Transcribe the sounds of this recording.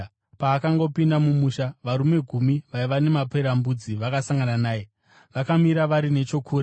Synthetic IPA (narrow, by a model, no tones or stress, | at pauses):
paːkaŋɡo̞pindamumuːʃaʋaɾume̞ɡʱumiʋaiʋane̞mape̞ɾambud͡ziʋakasaŋɡananaːje | ʋakamiɾaʋaɾine̞t͡ʃo̞kʰuːɾe